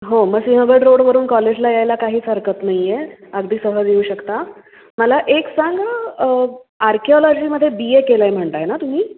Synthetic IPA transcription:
ɦoməɡsĩɦəbəɽɾoɽʋəɾuːnkɔled͡ʑlajajlakaɦiːsəɾkət̪najjeəɡd̪ʱiːsəɦəd̪euːɕəkt̪a | məlaʔeksaŋɡa | aɾkʰeɔlɔd͡ʑiːməd̪ʱːjebiekelajm̤əɳt̪aenat̪um̤iː

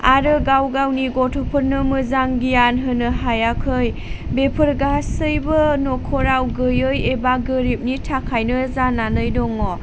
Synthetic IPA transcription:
aɾɯɡawɡawniɡɔtʰɔpʰɯɾnɯmɯzaŋɡijanɦɯnɯɦajakʰɯj | bepʰɯɾɡasɯjbɯnɔkʰɔɾawɡɯjɯjebaɡɯɾip̚nitʰakʰajnɯzananɯjdɔŋɔ

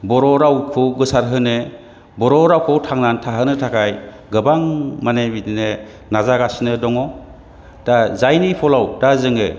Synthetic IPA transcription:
bɔɾɔɾawkʰɯwɡɯsaɾɦɯne | bɔɾɔɾawkʰɯwtʰaŋnantʰaɦɯnɯtʰakʰaj | ɡɯbaŋmanebidine | nazaɡasnɯdɔŋɔ | d̥azajnipʰɔlawdazɯŋɯ̰

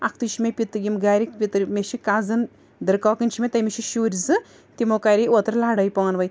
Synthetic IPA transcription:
ak̚ʰt̪ɨʃimepʲit̪ɨɡʲimɡaːɾikpʲit̪ɾmʲeʃikazɨn | d̪ɨɾkaːkɨnt͡ʃʰimʲet̪ɐjmeʃiʃuːɾʲzɨ | t̪imokaɾiot̪ɾlaɽɐjpɔɐnʋɐj

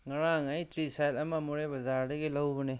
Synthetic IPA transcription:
ŋaɾaŋajtʰɾisajlɐmamɔɾebɐzaɾdɐɡelawbɔne

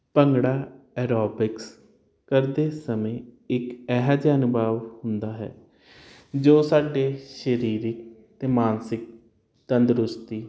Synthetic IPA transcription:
pəŋɡɽaːɛːɾɔːbɪks | kəɾd̪eːsəmẽːɪkɛːɦaːd͡ʒaːnbaːʋhʊnd̪aːɦɛ̰ː | d͡ʒoːsaːɖeːʃəɾiːɾɪk | t̪eːmaːnsɪk̚ | t̪ənd̪əɾʊst̪iː

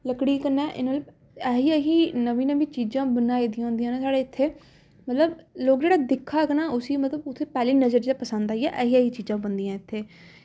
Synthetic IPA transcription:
ləkɽiːkəɾnɛːʔɪ̰nəlb | ɛːɦiːəɦiːnəʋĩːnəʋĩːt͡ʃiːzãːbənaːiːd̪ijãːʊ̃ːnd̪ijãːneːsaːɽeːɪt̪ʰːeː | mət̪ləbloːkd͡ʒeːɽaːd̪ɪkʰːaːknaːʔʊsiːmət̪ləbʊt̪ʰːeːpɛːliːnəzəɾd͡ʒeːapəsə̃nd̪aːijɛʔɛːɦiːəɦiːt͡ʃiːzãːbənd̪ijãːɪt̪ʰːeː

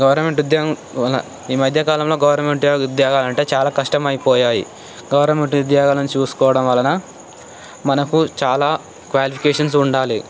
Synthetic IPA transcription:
ɡɐʋɐɾnɐmeɳʈud̪jaːɡɐ | ɐlɐ̰ | iːmɐd̪ʱjɐkaːlɐmlo̞ːɡɐʋɐɾnɐme̞ɳʈaud̪jaːɡaːlɐɳʈe̞ːt͡ʃaːlaːkɐʂʈɐmɐjipɔːjaːjḭ | ɡɐʋɐɾnɐme̞ɳʈud̪jaːɡaːlɐnt͡ʃuːsu̥kɔːʋɐɽɐmʋɐlɐnɐ | mɐnɐkut͡ʃaːlaː | kʋaːlipʰi̥kɛːʂɐns̬uɳɖaːli

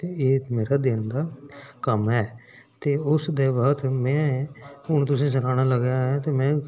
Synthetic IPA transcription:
t̪eeːmeːɾaːd̪ɪnd̪aːkəmɦɛː | t̪eːʊsd̪eːbəːt̪mɛ̃ːʊñt̪ʊsĩːsəkaːɽ̃aːləɡjaːɦɛːt̪eːmɛ̃ː

